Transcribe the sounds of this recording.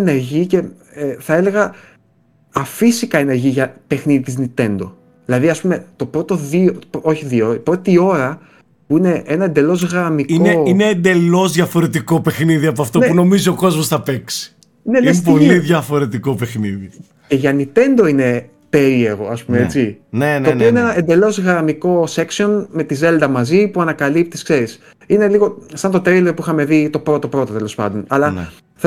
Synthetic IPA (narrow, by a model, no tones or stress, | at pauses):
ne̞ɾʝice̞ | eθɐe̞le̞ɣɐ | ɐfisikɐene̞ɾʝiʝɐpe̞xniðit̪iznit̪e̞nd̪o̞̰ | ðilɐðiɐspume̞t̪o̞pɾo̞t̪o̞ðioo̞çiðioipɾo̞t̪io̞ɾɐ | puine̞ʔenɐend̪e̞lo̞zɣɐmikineine̞ːnd̪e̞lo̞zðʝɐfo̞ɾe̞t̪iko̞pe̞xniðiɐpoɐft̪o̞nepuno̞mizio̞ko̞zmo̞sθɐpe̞ksi̥ | inespolliðʝɐfo̞ɾe̞t̪iko̞pe̞xniði | ce̞ʝɐnipe̞nd̪o̞ine̞ | pe̞ɾie̞ɣo̞̰ɐspumeet͡sinenotioinenɐend̪e̞lo̞zɣɾɐmiko̞se̞ksio̞nme̞t̪ize̞ld̪ɐmɐzipuɐnɐkɐlip̚t̪iskse̞ɾis | ine̞liɣo̞sɐnt̪ot̪ɾeliɾopuixɐme̞ðit̪o̞pɾo̞t̪opɾo̞t̪ɐt̪elo̞spɐ̰nd̪o̞nɐlɐ̰ | θ